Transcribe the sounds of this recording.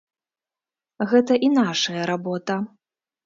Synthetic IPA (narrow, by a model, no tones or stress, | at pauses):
ɣɛt̪ɐʔinaʂɐjɐɾabɔt̪ɐ